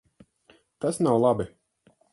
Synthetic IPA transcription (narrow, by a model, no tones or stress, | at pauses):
t̪asnawlˠabi